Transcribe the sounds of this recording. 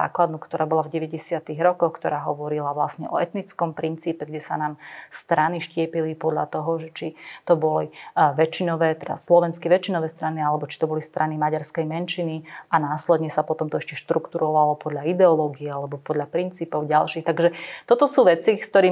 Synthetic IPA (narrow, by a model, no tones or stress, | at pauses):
a̰ːklad̪nukt̪ɔɾaːbɔlavɟɛʋɛɟɛsɪat̪iɣɾɔkɔxkt̪ɔɾaːɦɔʋɔɾilaʋlasɲɛʔɔ̰ɛt̪nit͡skɔmpɾint͡siːpɛɡɟɛsanaːmst̪ɾaniʃcɪɛpilipɔd̪ʎa̰t̪ɔɦɔʒɛt͡ʃit̪ɔbɔliʋɛt͡ʃinɔʋɛːt̪ɛd̪a̰slɔʋɛnskiʋɛt͡ʃinɔʋɛːst̪ɾanialɛbɔt͡ʃi̥t̪ɔbɔlist̪ɾʔanimaɟaɾskɛjmɛnʃiniʔanaːslɛd̪ɲɛsapɔt̪ɔmt̪ɔɛʃcɛʃt̪ɾukt̪uɾɔʋalɔpɔd̪ʎaid̪ɛɔlɔːɡiɛalɛbɔpɔd̪ʎapɾint͡siːpɔʊɟalʃiːxt̪aɡʒɛt̪ɔt̪ɔsuːʋɛt͡sikst̪ɔɾiː